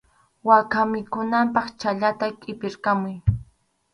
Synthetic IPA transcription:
wakamɪkʊnampɑχt͡ʃaʎat̪akʼɪpɪɾkamʊj

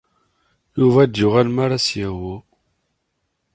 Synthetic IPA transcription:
juvæd̪ːʊʁælmaɾasjæwu

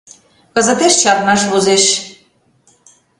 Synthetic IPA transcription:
kə̆zə̆t̪eʃt͡ɕɑɾnɑʃβuzeʃ

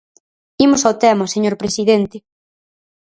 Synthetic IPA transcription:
imʊsawt̪ɛmaseɲoɾpɾesiðent̪e

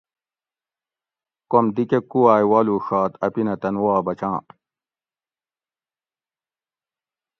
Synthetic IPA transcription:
komd̪ikekːuwaːjwaːluːʂaːt̪ɐpinɐt̪ɐnwaːbɐt͡ɕãː

